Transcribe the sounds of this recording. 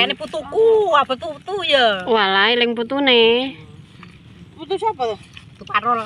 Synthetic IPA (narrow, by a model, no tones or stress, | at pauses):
aneput̪ukuapət̪ut̪ujəwalailɛŋput̪une | put̪usapa | t̪upaɾɔl